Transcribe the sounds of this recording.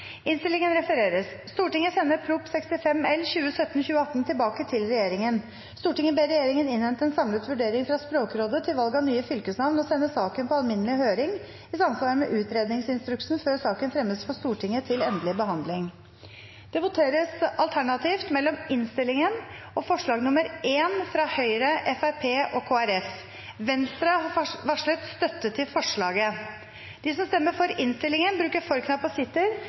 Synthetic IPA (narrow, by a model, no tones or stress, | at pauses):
ɪnst̪ɪlːɪŋənɾɛfəɾeːɾəsst̪uːʈɪŋːəsɛnːəɾpʰɾʊpsɛkst̪ɪfɛmɛlːçʉːəsœt̪ːnçʉːəɑt̪ːn̩t̪ʰɪlbɑːkət̪ʰɪlɾɛjeːɾɪŋən | st̪uːʈɪŋːəbeːɾɛjeːɾɪŋənɪnʋɛnt̪əɛːnsɑmlət̪ʋʉɖeːɾɪŋfɾɑspɾoːkɾoːd̪ət̪ʰɪlʋɑlɡɑnyːəfʏlkəsnɑʋnɔsɛnːəsɑːkənpʰɔɑlmɪnːəlɪhøːɾɪŋ | ɪsɑmsʋɑːɾəmɛʔʉːt̪ɾeːd̪nɪŋsɪnst̪ɾʉkʂn̩føːɾsɑːkənfɾɛmːəsfɔst̪uːʈʰɪŋːət̪ʰɪlɛnd̪əlɪbəɦɑnd̪lɪŋ | d̪̥ɛbʊt̪ʰeːɾəsɑlt̪ʰæɳɑt̪ʰiːft̪mɛlːɔmɪnst̪ɪlːɪŋən | ɔfɔʂɭɑːɡnʊməɾʔeːnfɾɑhœʏɾəʔɛfæɾpʰeːʔɔkʰoːæɾɛf | ʋɛnst̪ɾɑhɑʋɑʂɭœt̪st̪œt̪ːət̪ʰɪlfɔʂɭɑːɡə | d̪̥ɪsɔmst̪ɛmːəfɔɾɪnst̪ɪlɪŋənbɾʉːkəɾfɔɾkʰnɑpɔsɪt̪ːəɾ